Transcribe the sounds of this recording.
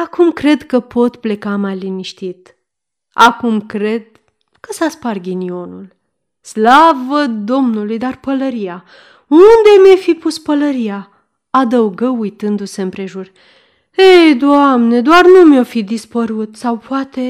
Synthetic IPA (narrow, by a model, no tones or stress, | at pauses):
akumkɾe̞d̪kəpʰo̞t̪ple̞kamajliniʃt̪it̪ | akumkɾe̞d̪̥̚ | kəsasparɡʲinio̞nul | slavəd̪o̞mnulujd̪arpələɾija | und̪e̞mefipuspələɾija | ad̪əuɡəujt̪ɨnd̪use̞ɨmpɾe̞ʒur | ejd̪oamne̞d̪oarnumo̞fid̪ispəɾut̪sawpoat̪e̞